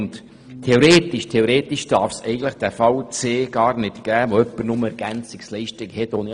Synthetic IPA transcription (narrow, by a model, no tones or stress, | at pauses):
nt | tʰeoɾeːt̪ɪʃtʰeoɾeːt̪iʃd̥ɑɾfsɛɪɡn̩tləχd̥æfɑwt͡seːɡ̥ɑːɾnɪtɡ̥æːʋoœpːəɾnʊməɛɾɡ̥ænt͡sɪkslɛɪʃtɪɡhɛtoːni